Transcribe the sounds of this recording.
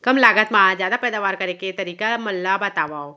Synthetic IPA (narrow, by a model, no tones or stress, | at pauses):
kɐmlaːɡət̪mãːd͡ʒjaːd̪apɛːd̪aːʋaːɾkɐɾeket̪ɐɾiːkamɐlːabɐt̪aːʋaːo